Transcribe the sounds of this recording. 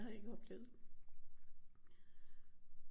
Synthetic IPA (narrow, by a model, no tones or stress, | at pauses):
hɑ̈e̝ɡ̥əɒ̽b̥lḛʊð̩ˠ